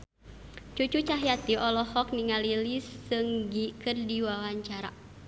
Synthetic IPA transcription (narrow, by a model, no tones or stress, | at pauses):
t͡ʃut͡ʃut͡ʃaɦjat̪iʔɔlɔhɔkniŋalilisːɨŋɡikɨrdiwawaɲt͡ʃaɾa̰